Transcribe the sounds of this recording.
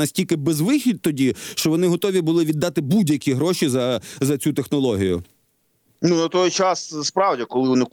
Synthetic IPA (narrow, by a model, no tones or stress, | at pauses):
ɐsʲtʲilʲkɪbɛzʋɪxʲid̪̚t̪ɔdʲiʃt͡ʃɔʋɔnɪɦɔt̪ɔʋʲibʊlˠɪʋʲid̪ːɑt̪ɪbudʲjɐkʲiɦɾɔʃizɐzɐt͡sʲut̪exnɔlˠɔɦʲijʊ̰ | nunɐt̪ɔjt͡ʃɑsspɾɑwdʲikɔlˠɪʋɔnɪ